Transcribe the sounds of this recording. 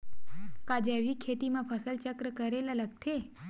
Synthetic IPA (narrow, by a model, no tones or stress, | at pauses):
kad͡ʒaʋikʰːet̪imãpʰəsəlt͡ʃəkɾəkəɾelaləɡt̪ʰe